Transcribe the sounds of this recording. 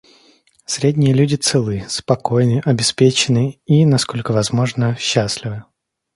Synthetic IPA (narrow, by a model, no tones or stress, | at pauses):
sɾʲedʲnʲɪjəlʲudʲɪt̪sɨlˠɨspɐko̞jnɨʔɐbʲɪspʲet͡ɕɪnɨinɐsko̞lʲkəvɐzmo̞ʐnəɕːasʲlʲɪvɨ